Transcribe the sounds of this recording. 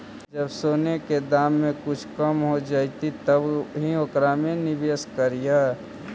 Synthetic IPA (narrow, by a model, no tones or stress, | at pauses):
d͡ʒɐbsoːneked̪aːmːẽkʊt͡ʃʰkɐmɦod͡ʒaːit̪it̪ɐbɦiokɾamẽnɪbeːskəɾijaː